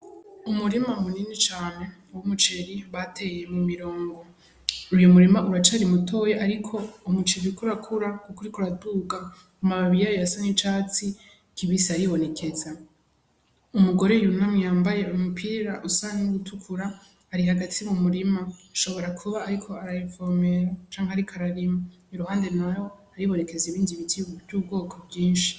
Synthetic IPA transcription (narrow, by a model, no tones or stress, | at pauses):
umuɾimamuniːnit͡ʃaːne̞ | wumut͡ʃeɾiβatʰe̞jemumiɾo̞ːŋɡo̞ | ujomuɾimaʔuɾat͡ʃaɾimutʰo̞jeʔaɾikʰo̞mut͡ʃeβikuɾakʰuɾakukuɾikuɾaduɡa | kumaβaβijajojasanit͡ʃaːt͡si | kiβisiaɾiβo̞ne̞kʰe̞za | umuɡo̞ɾe̞junamŋijaːmbaje̞umupʰiɾaʔusanenuɡutʰukʰuɾaː | ɾiɦaɡatʰimumuɾimaːʃo̞βo̞ɾakʰuβaːɾikʰo̞aɾajifome̞ɾat͡ʃaːŋhiaɾikʰaɾaɾima | iɾuhaːnde̞najo̞aɾiβo̞ne̞ke̞ziβiːndiβitiuvjuːbɡo̞ːkʰobɟiːnʃi̥